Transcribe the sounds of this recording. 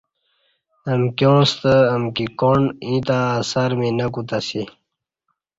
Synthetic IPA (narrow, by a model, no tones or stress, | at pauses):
əmkjõːst̪əːmkikonĩt̪aːsaɾminɐkut̪asi